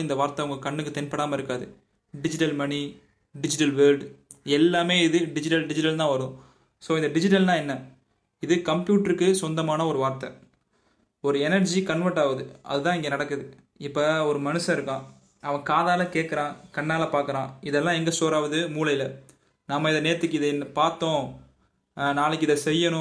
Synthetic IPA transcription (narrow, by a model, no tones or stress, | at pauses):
ɪnd̪ɐʋaːɾt̪ɐɐŋɡɐkɐɳːɯkːɯt̪ɛnpɐɽaːmɐɪɾɯkːaːðɯ | ɖɪd͡ʒɪʈɐlmɐni | ɖɪd͡ʒɪʈɐlʋelɖ | ɛlːaːmeːɪðɯɖɪd͡ʒɪʈɐlɖɪd͡ʒɪʈɐlt̪ãːʋɐɾʊ̃ | soːɪnd̪ɐɖɪd͡ʒɪʈ̬ɐlt̪ãːɛnːɐ | ɪðɯkɐmpjuːʈɐɾɯkːɯsɔnd̪ɐmaːnɐɔɾɯʋaːɾt̪ɐ | ɔɾɯɛnɐɾd͡ʒikɐɳʋɐɾʈːaːʋɐðɯɐ̰ðɯt̪ãːɪŋɡeːnɐɽɐkːɯðɯ | ɪpːɐɔɾɯmɐnɯsɐ̃ɪɾɯkːãː | ɐʋɐ̃kaːðaːlɐkeːʈ̚kːɐɾãːkɐɳːaːlɐpaːɾkɐɾãːɪðɛlːãːɛŋɡɐsoːɾaːʋɐðɯmuːlɐjɪlɐ | nɐmːɐɪðɐneːɾɐt̪ːɯkːɯɪðɐnːpaːɾt̪ːõː | naːlɯkːɯɪðɐsɛjːɐnʊ̃